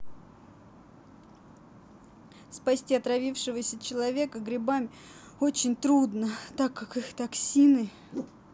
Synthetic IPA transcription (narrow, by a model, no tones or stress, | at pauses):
spɐsʲtʲiɐt̪ɾɐvʲifʂɨvəsʲət͡ɕɪlˠɐvʲe̞kəɡɾʲɪbamʲɪ | o̞t͡ɕɪnʲt̪ɾud̪nət̪akːakɨxt̪ɐksʲinɨ